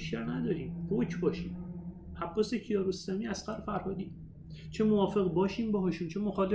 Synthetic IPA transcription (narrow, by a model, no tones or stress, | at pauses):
ʃæɾnæd̪ɒːɾiːmhocʰbɒːʃiːm | ʔæbːɒːsecʰijɒːɾosɒːmiːæsɢæɾefæɾhɒːd̪iː | t͡ʃʰe̞movɒːfe̞ɣbɒːʃiːmbɒɦɒʃunt͡ʃʰe̞moxɒːle